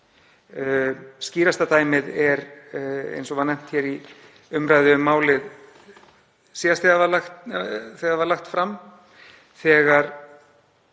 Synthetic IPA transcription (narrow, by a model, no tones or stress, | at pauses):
sciːɾast̪at̪aːjmɪðɛɾḛjnsɔvanɛm̥t̪çɛɾi | ʏmɾaːjðʏʏmːaːwlɪð | siːast̪ɛɣavalaxt̪θɛɣavaɾlaxt̪fɾam | θɛːɣaɾ̥